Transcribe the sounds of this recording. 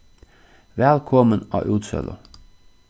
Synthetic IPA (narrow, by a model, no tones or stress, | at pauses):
ʋɛlkʰɔmənɑ̰ːʔʉːt̪sɛ̰lə̰